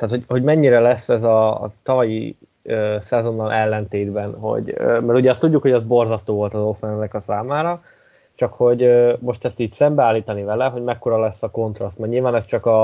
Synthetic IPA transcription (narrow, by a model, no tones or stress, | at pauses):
t̪aːt̪hoɟho̞ɟmɛɲːiɾɛlɛsːɛzɒ̰t̪ɒvɒjḭ | øsɛzo̞nːɒlʔɛlːɛnt̪eːd̪bɛnɦo̞̰ɟø̰mɛɾuɟɛɒst̪uɟːukho̞ɟɛzbo̞rzɒst̪oːvo̞lt̪ɒzo̞fɛnnːɛkɒsaːmaːɾɒ | t͡ʃɒkho̞ɟømo̞ʃt̪ɛst̪iːcsɛmbɛaːlːiːt̪ɒnivɛlɛɦo̞ɟmɛkːo̞ɾɒlɛsːɒko̞nt̪rɒst̪mɛrɲilvaːnɛst͡ʃɒkɒ